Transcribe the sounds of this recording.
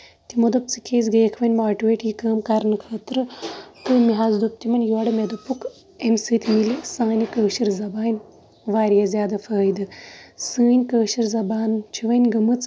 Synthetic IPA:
t̪imod̪ɐp̚t͡sɨkʰʲeːzɡɐːkʰʋɐnʲmaːʈiʋeːʈjikəːmkɐɾnɨkʰɐːt̪ɾɨt̪ɨmiɦazd̪up̚t̪imɐnʲjoːɽɐmed̪ɐpuk | emsɨːt̪ʲʰmilisãːnʲikəːʃiɾzɐbaːnʲ | ʋaːɾjazʲjaːd̪ɐfəːjd̪ɨsɨːnʲkəːʃiɾzɐbaːnt͡ʃʰiʋɐnʲɡɐmɨt͡s

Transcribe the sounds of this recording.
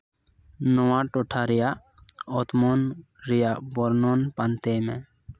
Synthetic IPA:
nowãʈoʈʰaɾija | ɔt̪mɔn | ɾijabɔɾnonpant̪emɛ̃

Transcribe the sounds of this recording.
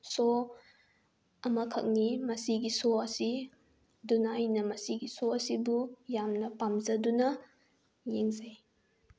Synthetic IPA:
so | ɐmɐkʰɐ̰k̚nimɐsiɡisoɐsi | dunaːjnɐmɐsiɡisoɐsibujamnɐpamzɐdunɐ | jeŋzɐj

